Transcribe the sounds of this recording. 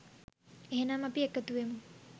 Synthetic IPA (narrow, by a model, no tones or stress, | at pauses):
eɦenamɐpiekːɐt̪uʋemu